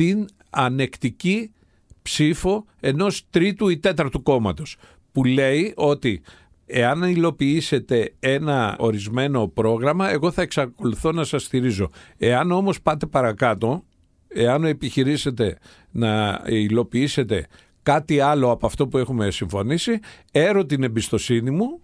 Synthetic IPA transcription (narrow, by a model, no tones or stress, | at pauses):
t̪in | ɐne̞kt̪ici | psifo̞ | e̞no̞st̪ɾit̪uit̪e̞t̪ɐɾt̪uko̞mɐt̪o̞s | pule̞iʔo̞t̪i | e̞ɐnilo̞piise̞t̪e̞e̞nɐo̞ɾizme̞no̞pɾo̞ɣɾɐmɐe̞ɣo̞θɐe̞ksɐko̞luθo̞nɐsɐst̪iɾizo̞e̞ɐno̞mo̞spɐt̪e̞pɐɾɐkɐt̪o̞ | e̞ɐne̞piçiɾise̞t̪e̞ | nɐilo̞piise̞t̪e̞ | kɐt̪iɐlo̞ɐpoɐft̪o̞pue̞xume̞siɱfo̞nisi | e̞ɾot̪inebist̪o̞sinimu